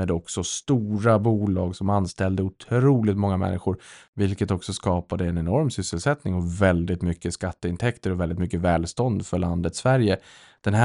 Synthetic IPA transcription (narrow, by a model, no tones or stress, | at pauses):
ɛːd̪ɔksɔst̪uːɾabuːlɑːɡsɔmanst̪ɛld̪əʊt̪ʰɾuːlɪt̪mɔŋːamɛ̰nːɪɧʊɾvɪlkət̪ɔksɔskɑːpad̪əɛnɛnɔɾmsʏsːəlsɛt̪nɪŋɔvɛld̪ɪt̪mʏkːəskat̪ːəɪnt̪ʰɛkt̪əɾɔvɛld̪ɪt̪mʏkːəvɛːlst̪ɔnd̪fœɭand̪ət̪svæɾjə | d̪̥ɛnɦæ